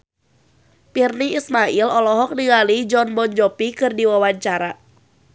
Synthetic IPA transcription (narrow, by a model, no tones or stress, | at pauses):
pirniismailɔlɔɦɔk̚niŋalid͡ʒɔnbɔnd͡ʒɔpikɨrdiwawaɲt͡ʃaɾa